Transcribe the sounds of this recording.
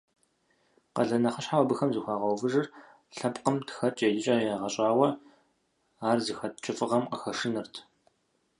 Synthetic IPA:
qɐ̰ɮɐnɐχəɕħawɐbɨxɐmzɨxʷaːʁɐwvɨʒɨr | ɬɐpʼqəmtʰxɐt͡ʃʼeːdɪt͡ʃʼɐːjaːʁɐɕʼaːwɐ | aːrzɨxɐtt͡ʃʼɪfʼɨʁɐmqəxɐʂɨnɨrtʰ

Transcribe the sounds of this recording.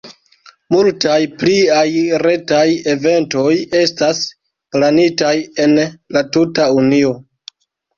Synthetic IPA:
multajpliajɾe̞taje̞ve̞nto̞je̞stas | planitaje̞nlatutaunio̞

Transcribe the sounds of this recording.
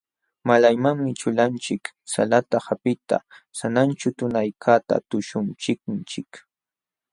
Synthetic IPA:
malajmaŋmɪt͡ʃʊlant͡ʃɪksa̰lat̪ahapɪt̪a̰sanant͡ʃʊt̪ʊnajkʰat̪a̰t̪ʊʃʊnt͡ʃɪk̚nt͡ʃɪk

